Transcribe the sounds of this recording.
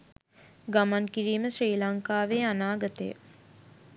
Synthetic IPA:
ɡamankiɾiːməʃriːlaŋkaːʋeːanaːɡət̪əjə̰

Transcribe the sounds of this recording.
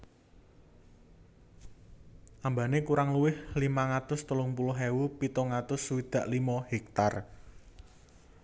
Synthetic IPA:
ʔambanekuɾaŋluwɪhlimaŋat̪ʊst̪əlʊŋpulʊɦewupit̪ɔŋat̪ʊsːuwid̪̥ä̤ʔlimɔhik̚t̪ar

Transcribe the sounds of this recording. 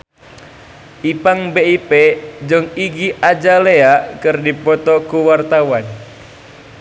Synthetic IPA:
ʔipaŋbeiped͡ʒɨŋiɡiʔad͡ʒaleaʔkɨrdipɔt̪ɔkuwart̪awan

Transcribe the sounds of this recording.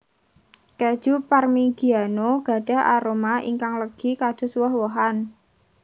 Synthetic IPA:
ked̥ʒ̥uparmiɡ̥i̤anoɡ̥a̤ɖ̥a̤ʔa̰ɾomaḭŋkaŋləɡ̥i̤kad̥ʒ̥ʊ̤suwɔhwoɦan

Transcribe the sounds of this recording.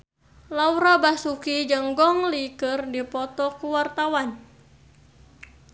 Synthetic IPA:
lawɾabasukid͡ʒəŋɡɔŋlikɨrdipɔt̪ɔkuwart̪awan

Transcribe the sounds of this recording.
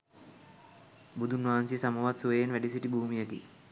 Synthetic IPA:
bud̪unʋaːnsisamuʋat̪suʋejenʋæɖisiʈibuːmijakḭ

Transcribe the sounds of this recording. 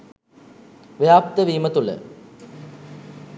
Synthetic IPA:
ʋjaːp̚t̪əʋiːmət̪ulə̰

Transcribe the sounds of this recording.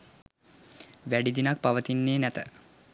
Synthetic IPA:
ʋæɖid̪inak̚paʋət̪inːeːnæt̪ə

